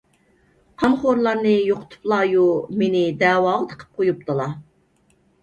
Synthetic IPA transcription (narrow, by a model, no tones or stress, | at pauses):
qʰɑmχoɾlˠɑɾnɨjoqʰʊ̥t̪ʰu̥plˠɑjumenɪd̪ɛːwɑːʁət̪ʰə̥qʰə̥p̚qʰojup̚t̪ʰɨlˠɑ